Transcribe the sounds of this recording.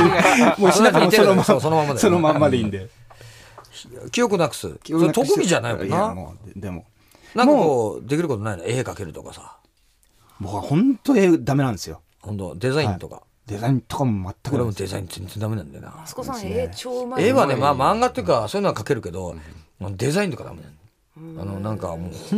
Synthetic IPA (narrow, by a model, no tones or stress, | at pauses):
mosoat̪eiesos̬onomamːad̪sonomammːad̪eĩnd̪e | kʲijo̞kɯ̟nakɯ̥sɨ̰st̪o̞kɯɡʲiʑanaikka̰nao̰d̪emo̰ | nãŋmkakoːd̪e̞kʲiɾɯko̞t̪o̞nainoe̞ːkake̞ɾɯ̟t̪o̞̰kasa | bokɯβahõnt̪oed̪ame̞nãnd̪esɨjo̰ | hõ̞nt̪o̰d̪e̞zaĩnt̪o̞ka̰ | d̪ezaĩnt̪okamomat̪ːakɯɾemod̪e̞za̰ḭ̃nd͡zzẽ̞nzẽ̞nd̪ame̞nãnd̪e̞̰na̰ | eβanemamãŋɡat̪ejɯ̟kasoːinoakake̞ɾɯ̟ke̞d̪o̞anod̪e̞zaĩnt̪o̞kad̪a̰menã | ano̞nãŋkamoːh